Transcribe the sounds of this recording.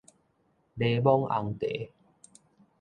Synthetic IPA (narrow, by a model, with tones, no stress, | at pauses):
le˧bɔ˦ŋa̰˧ŋt̪e˨˦